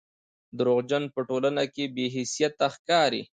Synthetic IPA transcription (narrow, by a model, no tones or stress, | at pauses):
d̪əɾoɣd͡ʒanpəʈolanakebeɦɪsijat̪ːaxkɑɾḭ